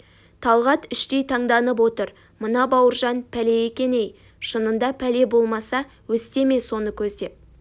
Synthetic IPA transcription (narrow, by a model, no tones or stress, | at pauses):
t̪ʰɑlˠʁɑt̪ʏʃt̪e̞jt̪ʰɑɴd̪ɑnəp̬wo̞t̪əɾ | mənɑbɑwəɾʒɑnpʰæle̞jekʲe̞nej | ʃənənd̪ɑpʰæle̞bo̞lˠmɑsɑ | wɵst̪e̞me̞so̞nəkʲʰɵzd̪e̞p̚